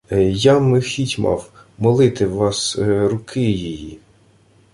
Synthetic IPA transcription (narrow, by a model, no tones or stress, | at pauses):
jɑmɪxʲitʲmɑ̰wmɔlˠɪt̪ɪwʋɑsɾʊkʰɪjiji